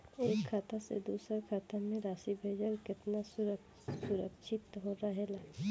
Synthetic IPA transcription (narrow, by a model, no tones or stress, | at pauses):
eːkʰːaːt̪asḛd̪uːsəɾkʰaːt̪ʰamẽɾaːʃibʱeːd͡ʒəɾkɪt̪nasʊɾ | sʊɾəkʃʰɪt̪ɦoɾaɦela